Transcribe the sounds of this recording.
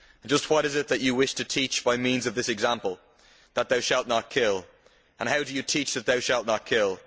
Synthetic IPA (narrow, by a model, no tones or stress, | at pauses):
nd͡ʒʌst̚wʌɾɪzɪt̪̚ðət͡ʃəwɪʃtʰətʰiˑt͡ʃb̥aɪmĩnzəvðɪsɛɡzãmpəl̩ˠ | ðət̪̚ðaʊʃalˠʔⁿnət̚kʰɪlˠ | ə̃nɦaʊdəjətʰiˑt͡ʃðət̪̚ðaʊʃalˠʔⁿnət̚kʰɪlˠ